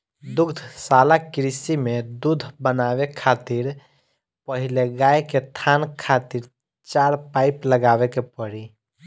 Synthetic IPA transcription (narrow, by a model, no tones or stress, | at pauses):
d̪ʊɡd̪ʱsalakɪɾisimed̪ud̪ʱbənawekʰat̪iɾ | pəɦileɡajket̪ʰankʰat̪iɾ | t͡ʃaːɾpaɪpləɡawekepəɽi